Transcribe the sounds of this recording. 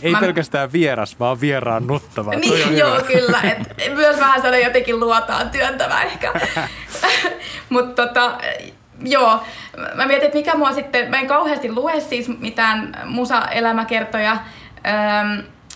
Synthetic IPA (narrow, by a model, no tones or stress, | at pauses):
eimpelkæst̪æːʋʋieɾɑsʋɑːʋʋierɑːnnot̪ːɑʋɑniːjoːkylːæet̪myøsmæhænsɑnojot̪eŋkilluɔt̪ɑ̰ːnt̪yønt̪æmæ̰ehkæ | mut̪ːot̪ɑ | joː | mæmiæt̪inet̪mikæmuɑsit̪ːemæeŋkɑuheɑst̪illuessiːsmit̪æːnmusɑ̰ʔelæmækert̪ojɑ | əːm